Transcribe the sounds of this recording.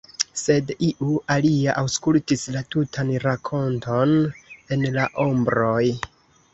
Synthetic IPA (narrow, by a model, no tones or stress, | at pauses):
se̞diʔuʔaliaʔawskultislatutʰanɾakʰo̞ntʰo̞ne̞nlaʔo̞mbɾo̞j